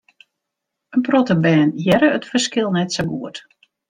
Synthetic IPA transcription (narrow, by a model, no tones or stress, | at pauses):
ənprotəbɛːnjɛɾəətfərskɪlˠnɛtsəɡuət